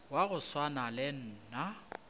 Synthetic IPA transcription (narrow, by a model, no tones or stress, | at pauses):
waɣʊswanalɪn̩ːna